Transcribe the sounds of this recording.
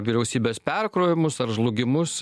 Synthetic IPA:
ʋʲiːɾʲɛʊsʲiːbʲeːspʲɛɾkɾoːʋʲɪmʊsɐɾʒlˠʊɡʲɪmʊs

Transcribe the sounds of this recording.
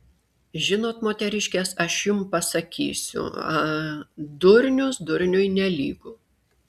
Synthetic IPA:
ʒʲɪnoːt̪moːt̪ʲɛɾʲɪʃʲkʲɛːsɐʃjʊmpɐsɐkʲḭːsʲʊ̰ɐ | d̪ʊɾʲnʲʊsd̪ʊɾʲnʲʊjnʲɛlʲiːɡʊ

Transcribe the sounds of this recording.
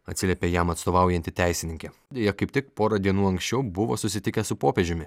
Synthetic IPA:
ɐt̪ʲsʲɪlʲɛpʲeːjɛmɐt̪st̪oːʋɑˑʊjɛnʲt̪ʲɪt̪ʲæˑɪsʲɪnʲɪŋʲkʲɛd̪ʲejɛkɐɪp̚t̪ʲɪkpoːɾɐd̪ʲiɛnuːɐŋksʲt͡ʃʲɛʊbʊʋo̰ːsʊsʲɪt̪ʲɪkʲɛsʊpoːpʲeɛʒʲɪmʲɪ

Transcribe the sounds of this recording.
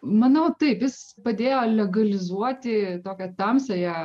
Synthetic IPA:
mɐnɐʊt̪ɐɪpjɪs | pɐd̪ʲeːjoːlʲɛɡɐlʲɪzuɔt̪ʲɪt̪oːkʲɛt̪ɐmʲsʲɐjɛ

